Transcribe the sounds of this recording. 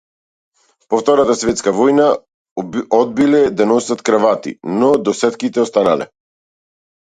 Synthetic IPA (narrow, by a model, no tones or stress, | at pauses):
pɔft̪ɔɾat̪asvɛt̪skavɔjna | ɔd̪̚bilɛd̪anɔsat̪kɾavat̪ḭnɔd̪ɔsɛt̪kit̪ɛɔst̪analɛ̰